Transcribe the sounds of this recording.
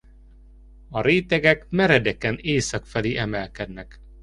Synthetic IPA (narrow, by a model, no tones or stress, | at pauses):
ɒɾeːt̪ɛɡɛkmɛɾɛd̪ɛkɛneːsɒkfɛleːʔɛmɛlkɛd̪nɛk